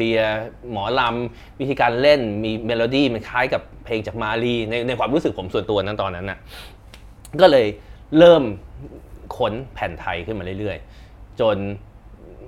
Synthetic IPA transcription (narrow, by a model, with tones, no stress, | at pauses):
i˧ɐmɔː˩˦la˧m | wi˦˥t̪ʰiː˧kaː˧nle˥˩nmiː˧meː˧loː˧diː˥˩ma˧nkʰaː˦˥jka˨˩pʰːeː˧ŋt͡ɕaː˨˩k̚maː˧liː˧˩na˧jna˧jkwaː˧mɾuː˦˥sɯ˨k̚pʰo˩˦msu˨˩ənt̪u˧ɐna˦˥nt̪ɔː˧nːa˦˥nːʔa˨˩ʔ | kɔː˥˩lɤː˧j | ɾɤː˥˩m | kʰo˦˥npʰɛː˨˩˦nt̪ʰa˧jkʰɯ˥˩nmaː˧ɾɯ˥˩lɾɯ˥˩əj | t͡ɕo˧n